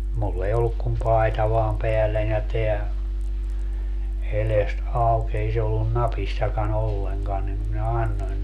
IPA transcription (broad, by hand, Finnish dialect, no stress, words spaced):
mulː ei olːuk kum pɑi̯tɑ ʋɑːm peælːænʲ jɑ teæ elest ɑuk ei se olːun nɑpisːɑkɑn olːeŋkɑn nim minæ ɑnːoin